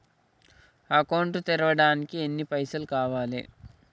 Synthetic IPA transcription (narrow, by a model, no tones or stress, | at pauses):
aːkɐwɳʈut̪iɾɐʋɐɽaːnikienːipɐjsɐlkaːʋaːlḭ